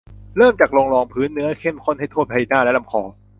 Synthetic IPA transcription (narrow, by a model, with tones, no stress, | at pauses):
ɾɤː˥˩mt͡ɕaː˨˩k̚lo˧ŋlɔː˧ŋpʰɯː˦˥nːɯ˦˥ɐkʰe˥˩mkʰo˥˩nha˥˩jt̪ʰoː˥˩t̚pʰa˧ji˧˩naː˥˩lɛ˦˥la˧mkʰɔː˧˩